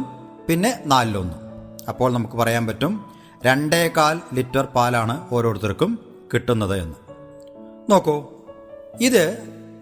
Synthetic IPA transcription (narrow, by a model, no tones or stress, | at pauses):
pinːe̞naːlːonːuɐpːo̞ːɭnɐmukːɨpɐrɐjaːnpɐtːum | ɾe̞ɳɖekːaːllitːɐrpaːlaːɳɨo̞ːɾo̞ːɽut̪ːɐrkːum | kiʈːunːɐðɨe̞̰nːu | noːkːoː | iðɨ